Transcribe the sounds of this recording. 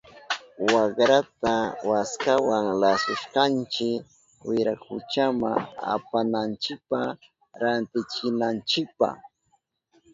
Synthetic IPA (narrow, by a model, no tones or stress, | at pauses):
wakɾat̪awaskawaŋlasʊʃkant͡ʃɪk | wɪɾakʊ̰t͡ʃama̰a̰panant͡ʃɪk̚pa | ɾant̪ɪt͡ʃɪnant͡ʃɪk̚pa̰